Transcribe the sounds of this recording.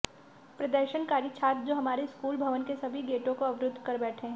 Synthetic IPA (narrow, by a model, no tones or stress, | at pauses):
pɾɐd̪əɾʃənkaːɾjit͡ʃʰaːt̪d͡ʒoːɦɐmaːɾeskuːlbʱɐʋənkesɐbʱiɡeːʈõkoɐʋɾʊd̪ʱːkɐɾbɛːʈʰẽ